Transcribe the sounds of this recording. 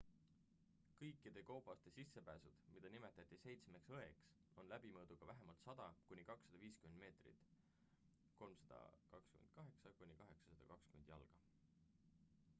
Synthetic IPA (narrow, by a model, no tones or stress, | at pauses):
kɤjkːˑid̪̥e̞kowbˑɑst̪e̞sisːe̞pæːsud̪̥mid̪̥ɑnime̞t̪ːˑɑt̪ːˑise̞jt̪sme̞ksɤe̞ks | o̞nlæb̥imɤːd̪̥uɡ̥ɑvæɦemɑlt̪sɑd̪̥ɑkunʲikɑksːɑd̪ɑviːskymend̪me̞ːt̪rḭt̪ːˑ | ko̞lmsɑd̪̥ɑ̰kɑkskymḛnd̪̚kɑɦe̞ksɑkunʲikɑɦe̞ksɑ̥sɑd̪̥ɑkɑkskyme̞nd̪̥jɑ̰lɡ̥ɑ